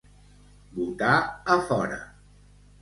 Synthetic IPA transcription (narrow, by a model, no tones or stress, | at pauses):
but̪aəfɔɾə̰